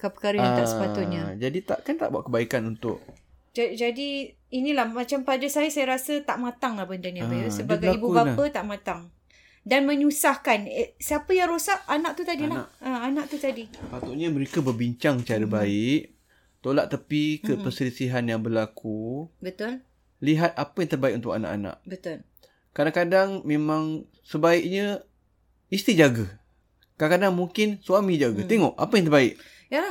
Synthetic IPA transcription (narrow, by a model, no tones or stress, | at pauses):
kapəkaɾaãat̪asəpat̪ʊʔ̚ɲad͡ʒadit̪a̰ʔkant̪a̰ʔbua̰ʔkəbaikanunt̪ʊ̰ʔ̚ | d͡ʒad͡ʒadi | inilahmat͡ʃampadasajasajaɾasət̪aʔmat̪aŋlahbəndanɲaasəbaɡaibubapət̪aʔmãt̪aŋ | danməɲusahkansiapəjaŋɾosaʔanaʔ̚t̪ut̪adilaʔaanaʔ̚t̪ut̪adipat̪ʊʔɲaməɾekabərbiɲt͡ʃaŋt͡ʃaɾəbaɪʔ | t̪olaʔt̪əpikəppərsəlisiɦanjaŋbərlakubət̪ʊl | liɦat̪̚apəjaŋt̪ərbaik̚ʔunt̪ʊka̰na̰ʔa̰na̰ʔ̚bət̪ʊl | kadaŋkadaŋmemãŋ | səbaiʔɲə | ist̪id͡ʒaɡa | kaaŋkadaŋmuŋkɪnsuamĩd͡ʒaɡat̪eŋɔʔa̰pajaŋt̪ərbaɪʔ | jala